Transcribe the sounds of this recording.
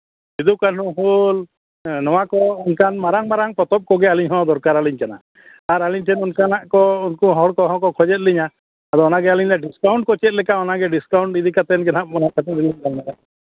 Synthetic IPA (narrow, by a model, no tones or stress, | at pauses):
id̪ukanuɦul | nɔwakɔunkanmaɾaŋmaɾaŋpɔt̪ɔp̚kɔɡɛaliɲɦɔ̃d̪ɔɾkaɾaliɲkana̰ | aɾaliɲʈʰɛnunkanaʔkɔunkuɦɔɭkɔɦɔ̃kɔkʰɔd͡ʒɛt̪̚liɲa | ad̪ɔɔnaɡɛaliɲlɛɖiskawɳʈ̚kɔt͡ʃɛt̪̚ˀlɛkaɔnaɡɛɖiskawɳʈid̪ʱikat̪ɛnkɛnap̚mɔnakat̪iɾiliɲɡalnalaʔ